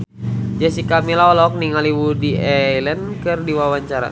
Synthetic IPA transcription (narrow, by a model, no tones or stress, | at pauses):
d͡ʒasikamilaɔlɔɔk̚niŋaliwudiɛlənkɨrdiwawaɲt͡ʃaɾa̰